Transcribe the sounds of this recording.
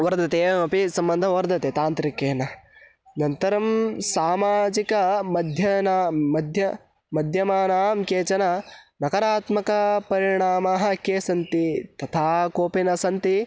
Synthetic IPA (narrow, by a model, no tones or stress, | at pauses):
ʋɐɾd̪ʱɐt̪eːɐpisɐmbɐnd̪ʱɐʋɐɾd̪ʱɐt̪eːt̪aːnt̪ɾikeːnɐ | nɐnt̪ɐɾɐmsaːmaːd͡ʒikɐmɐd̪ʱjɐnaɐd̪ʱjɐ | mɐd̪ʱjɐmaːnaːmkeːt͡ʃɐnɐnɐkɐɾaːt̪mɐkɐpɐɾiɳaːmaɦɐ̆keːsɐnt̪it̪ɐt̪ʰaːkoːpinɐsɐnt̪i